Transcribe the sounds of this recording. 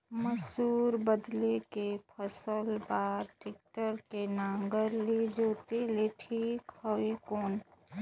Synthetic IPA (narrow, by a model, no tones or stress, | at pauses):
məsuːɾbəd̪lekepʰəsəlbaːɾʈɪk̚ʈəɾkenãːŋɡəɾled͡ʒoːt̪eleʈʰiːkhɔekoːn